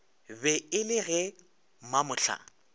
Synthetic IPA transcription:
bɛɪlɪɣɛ | mamʊɬʰa̰

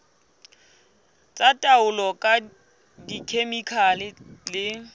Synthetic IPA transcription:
t͡sʼatʼaʊlɔkʼa | dikʰemikʰalɪlɪ

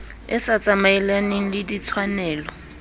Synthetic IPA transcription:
ɪsat͡sʼamaɪlanɪŋ̩lɪdit͡sʰwanɛːlɔ

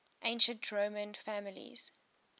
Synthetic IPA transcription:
ʔẽɪ̃nʃə̃ntdɹoːmə̃nfæmɪlḭz̥

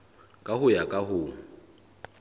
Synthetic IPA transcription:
kʼahʊjakʼaɦʊŋ̩

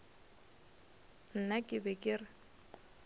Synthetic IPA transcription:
n̩nakʼɪbɛkʼɪrɪ

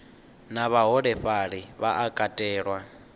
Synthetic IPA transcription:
naβaɦɔɺɛɸaɺiβaʔakʼatʼɛːɺwa

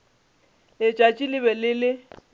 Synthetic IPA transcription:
ɪt͡ʃʼat͡ʃʼilɪβɛlɪlɪ

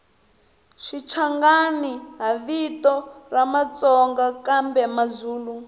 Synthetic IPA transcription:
ʃit͡ʃʰaŋɡaniɦaβitɔramat͡sɔŋɡakambɛmazuːlu

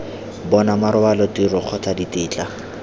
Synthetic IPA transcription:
bɔnamaɾʊwalɔtirʊq͡χʰɔtʰaditʼɪːt͡ɬʼa

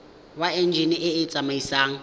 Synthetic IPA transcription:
waɛnd͡ʒʱiniʔɪɪt͡sʼamaisaːŋ̩

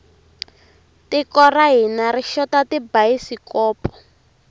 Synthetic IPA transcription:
tikɔraɦinariʃɔtatibaisikɔːpɔ̥

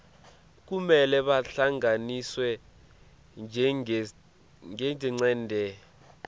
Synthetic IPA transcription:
k̬umɛlɛɓaɬaŋʱaniswɛ | ŋɛd͡ʒʱɛŋ͡ǀɛːndʱɛ

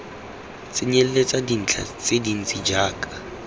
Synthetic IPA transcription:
t͡sʼɪɲel̩let͡sʼadin̩t͡ɬʰa̰t͡sʼedin̩t͡sʼid͡ʒaːkʼḁ

